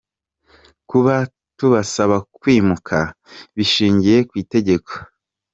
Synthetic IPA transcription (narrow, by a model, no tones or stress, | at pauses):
kuβa | tuβasaβakwiːmukʰa | βiʃiːɲɟije̞kwiːte̞ɟe̞kʰo̥